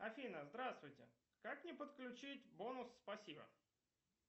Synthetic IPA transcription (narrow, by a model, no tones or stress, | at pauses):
ɐfʲinəzd̪ɾast̪vʊjtʲɪ̰ | kaknʲɪpət̪klʲʉt͡ɕitʲbo̞nʊsːpɐsʲibə̰